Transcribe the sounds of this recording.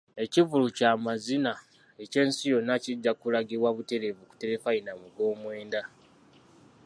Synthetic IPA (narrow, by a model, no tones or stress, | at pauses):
e̞civulucaːmazina | e̞ce̞ːnsijo̞nːaciɟːakulaɡiɾwaβute̞ɾe̞vuku̥te̞ɾe̞fajinamuɡo̞ːmwe̞ːnda